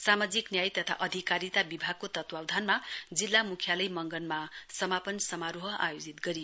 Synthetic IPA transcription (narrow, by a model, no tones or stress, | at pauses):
samad͡ziknjajt̪ʌt̪ʰa̰ʔʌd̪ʱikaɾit̪abibʱaɡ̚kot̪ʌt̪wawd̪ʱanmad͡zilːamukʰjalʌjmʌŋɡʌnmasʌmapʌnsʌmaɾuɦʌʔa̰jod͡zit̪ɡʌɾi